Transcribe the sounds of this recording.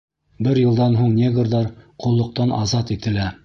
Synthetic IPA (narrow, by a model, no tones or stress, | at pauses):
bɘɾjɤ̆lˠd̪ɑnɦuɴnʲeɡrðɑɾqʰŏlˠːŏq̚t̪ɑnʔɑzɑt̪it̪ɘ̆læ